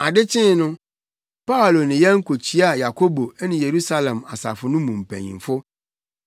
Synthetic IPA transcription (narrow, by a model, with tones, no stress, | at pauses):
a˨dɪ˦t͡ɕʰɪ̃˦nʊ̃˦ | pʰa˦o˨lo˨nɪ̃˨jɛ˦ŋ̩˦kʰo˨t͡ɕʰi˦a˨ja˨kʰo˦bo˨ɛ˦nɪ̃˨je˨ɾu˦sa˦lɛ̃˨ma̰˨sa̰˨fʊ˨nʊ̃˦mũ˨m̩˨pʰɛ̰̃˨ɲḭ̃˨m˨fʊ˦